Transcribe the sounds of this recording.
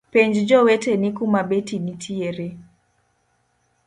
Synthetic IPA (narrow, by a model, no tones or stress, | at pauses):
pɛɲd͡ʒd͡ʒɔwɛtɛnikumaɓetinitʰieɾɛ